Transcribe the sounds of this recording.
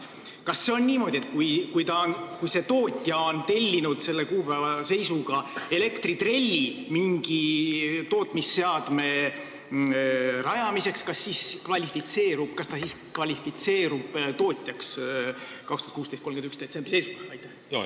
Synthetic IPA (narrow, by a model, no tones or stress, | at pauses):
kɑsːe̞o̞nniːmo̞d̪ʲie̞t̪̚kujkujt̪ɑnkujse̞t̪o̞ːt̪ʲjɑont̪e̞lʲːinud̪̥se̞lːe̞kuːpævɑse̞jsuɡ̥ɑe̞le̞kt̪rit̪re̞lʲːimiŋɡ̥it̪o̞ːt̪ˑmisːe̞ɑd̪̥me̞ | rɑjɑmise̞kskɑsːiːskvɑlʲifit̪se̞ːɾub̥̚kɑst̪ɑsiskvɑlʲifit̪se̞ːɾub̥t̪o̞ːt̪ʲˑjɑks | kɑkst̪uɑt̪kuːst̪est̪komɡenyksd̪̥et̪se̞mb̥rise̞jsukɑɑjt̪ˑːæh